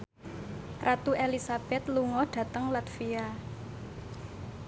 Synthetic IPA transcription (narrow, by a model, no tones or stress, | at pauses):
rʔat̪uʔelisab̥ɛt̪luŋɔɖ̥ä̤t̪əŋlat̪fia